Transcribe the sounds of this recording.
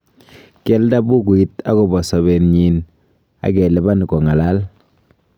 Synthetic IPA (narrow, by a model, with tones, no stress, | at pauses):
kɛ˦lda˦bu˦k̬u˨i˦ta˦ko˨bɔ˨sɔ˨be˨nɲi˨n | a̰˨kɛ˨le˨ba˦n˨kɔ˨ŋa˨la˦l